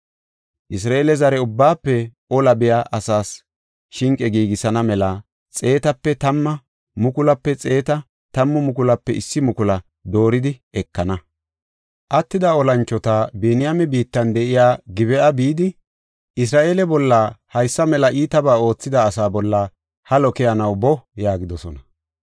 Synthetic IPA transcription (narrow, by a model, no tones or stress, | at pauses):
ʔɪs̬ɾaːelɛzɐɾɛʊbːaːpːɛʔɔlɐbɪjaːʔɐsaːs | ʃɪŋkʼɛɡiːɡɪsɐnɐmɛlɐ | t͡sʼe̞ːt̪ɐpːɛt̪ɐmːɐ | mʊkʊlɐpːɛt͡sʼe̞ːt̪ɐ | t̪ɐmːʊmʊk̬ʊlɐpːɛɪsːɪmʊkʊlɐ | d̪o̞ːɾɪd̪ɪɛkːɐnɐ | ʔɐt̪ːɪd̪ɐɔlɐnt͡ʃːɔt̪abɛnɪjamɛbiːt̪ːɐnd̪ɛʔɪjaːɡɪβɛʔɐbiːd̪ɪ | ʔɪs̬ɾaːʔeːlɛbɔlːaːhɐjsːɐmɛlɐʔiːt̪ɐbaːo̞ːt͡sːɪd̪ɐːsaːbɔlːa | hɐlɔkɛjɐnɐwbɔjaːɡɪd̪ɔsɔnɐ